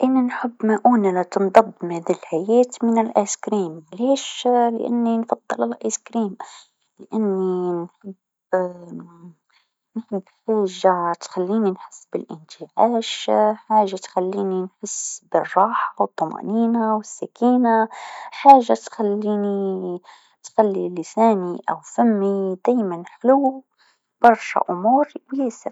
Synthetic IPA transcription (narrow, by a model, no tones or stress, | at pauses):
ʔɪnːinħɪbːmaʔuːnalat̪nd̪ˤɑb̪ːmhaːd̪ilħajeːt̪mɪnɪlʔaskɾiːmleːʃlɪ̰ʔa̰nːinfɑd̪ˤːɨlalʔaskɾiːm | lɪʔanːinħɪb | nħɪbːħaːʒat̪xalːiːninħɪsːbɪ̰lʔɪ̰nt̪iʕaːʃħaːʒat̪xalːiːninħɪsːbɪrˤːɑːħawɨt̪ˤːʊmɑ̰ːniːnawɪsːakiːnaħaːʒat̪xalːiːni | t̪xalːilɪsaːniʔa̰wfamːid̪̥aːjmanħluː | b̥ɑɾˤʃa̰ʔʊmuːɾwjeːsɪɾ